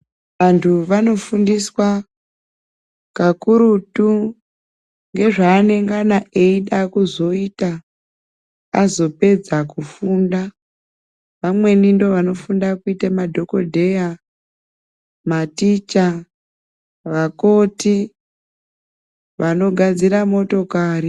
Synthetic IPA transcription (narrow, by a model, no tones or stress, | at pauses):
ʋantʰuʋano̞fundiswa | kakuɾutu | ŋɡe̞ʐaːne̞ŋɡanaʔeiɗakuzo̞ita | a̰zo̞pe̞d͡zakufunda | ʋamwe̞nindo̞ʋano̞fundakuitamadʱo̞ko̞dʱe̞ja | matit͡ʃa | ʋako̞ti | ʋano̞ɡʱad͡ziɾamo̞to̞kaːri